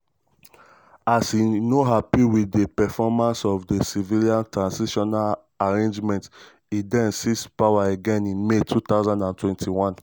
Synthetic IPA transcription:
asinoɦapiwidepɛfɔmãnsɔfdesiviliãntɹãnsiʃɔnal | aɹẽnd͡ʒmɛ̃nt | idɛ̃nsispawaeɡɛ̃nĩnmetʰut̪aʊzãndãntwɛ̃ntʰiwɔ̃n

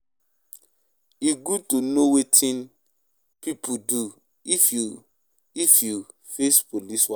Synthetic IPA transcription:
iɡud̚tunowetʰĩn | pipʰudu | ifju | ifju | fespoliswa

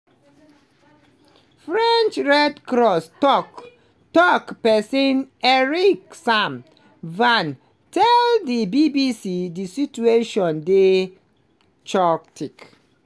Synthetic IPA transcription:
fɹɛ̃nt͡ʃɹɛdkɾɔstɔk | tɔkpɛsĩnɛɹiksãm | vãn | tʰɛldibibisidisit͡ʃueʃɔ̃nde | t͡ʃɔktik

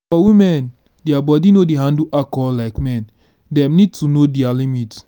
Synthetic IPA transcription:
fɔwimɛ̃n | deabɔdinodeɦãnduʔakɔlaɪkmɛ̃n | dɛ̃mnid̚tunodialimit

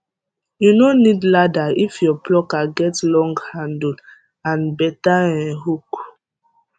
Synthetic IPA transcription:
junonidladaifjɔplɔkaɡɛtlɔ̃ŋɡhãndd | ãnbɛtaɛ̃nɦuk

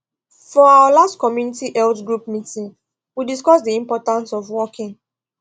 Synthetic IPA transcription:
fɔawəlastkɔmjunitiʔɛltɡɹup̚mitĩŋ | widiskɔsdiĩmpɔtãnsɔvwɔkʰĩŋ

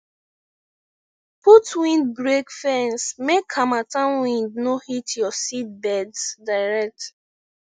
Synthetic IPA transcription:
putwĩndɡɹekfɛ̃nsmekʰːamatãnwĩndnohitjɔsit̚bɛdsdaɪɹɛk̚t

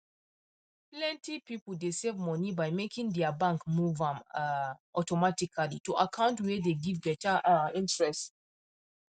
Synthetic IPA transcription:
plɛ̃ntipipl̩desevmɔnibajmekĩŋdɛabãŋkmuvãm | ʔɔtɔmatikʰalituʔakʰãʊ̃ntwɛdeɡivbɛtaʔĩntɹɛst

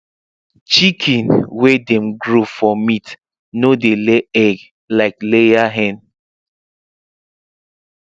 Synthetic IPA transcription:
t͡ʃikʰĩnwedɛmɡɾofɔmit | nodeleɛɡ | laɪklejaɦɛ̃n

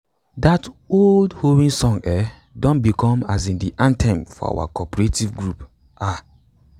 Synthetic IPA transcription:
datoldhowĩŋsɔ̃ŋɛ | dɔ̃nbikʰɔ̃mazĩndiʔãntʰɛ̃mfɔ̰a̰wa̰kɔpɔɹetivɡɹup | a

